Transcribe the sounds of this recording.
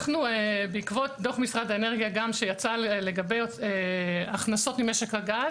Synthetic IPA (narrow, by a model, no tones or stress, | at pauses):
χnuebeikvo̞t̚doχmisʁad̪aeneʁɡijaɡamʃejat͡saleɡabejeaχnaso̞tmime̞ʃe̞khaɡaz